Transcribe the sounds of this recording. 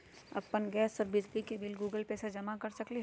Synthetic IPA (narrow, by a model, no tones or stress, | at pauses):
ɐ̰pːənɡɛːsɔɾbɪd͡ʒlikebɪlɡuːɡəlpesed͡ʒɐmakɐɾsɐkliɦ